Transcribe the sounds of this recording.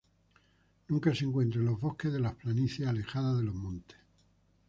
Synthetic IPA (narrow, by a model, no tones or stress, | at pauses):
nũŋkaseŋkwe̞nt̪ɾelo̞ɦβo̞hkeðelahplaniθeale̞xaðaðelo̞ɦmõnt̪e̥